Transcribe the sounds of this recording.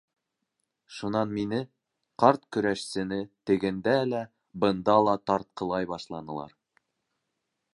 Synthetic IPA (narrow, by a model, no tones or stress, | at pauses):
ʃunɑnminɘ | qɑɾt̪kɵ̆ɾæʃsɘ̆nɘt̪ɘ̆ɡɘ̆nd̪ælæ | bɤ̆nd̪ɑlˠɑt̪ɑɾt̪̚qɤ̆lˠɑjbɑʃlˠɑnɤ̆lˠɑ̰ɾ